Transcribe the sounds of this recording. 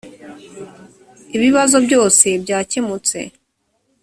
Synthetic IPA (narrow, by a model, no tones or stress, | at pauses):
iβiβazo̞bɟo̞ːse̞bɟaːcemut͡se̞̰